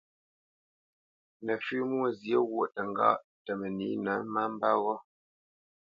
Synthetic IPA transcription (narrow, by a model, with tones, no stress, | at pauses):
nə˨fʉ˦mwo˦˨zje˦ɣwo˦˨ʔtə˨ŋ˦ɡa̰˦ʔ | tə˨mə˨ni˨˦nə˨˦ma˦m̩˦ba˦ɣɔ˦